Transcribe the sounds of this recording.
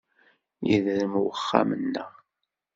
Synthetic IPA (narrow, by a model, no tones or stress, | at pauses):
jiðɾəmwəχːa̰mənːə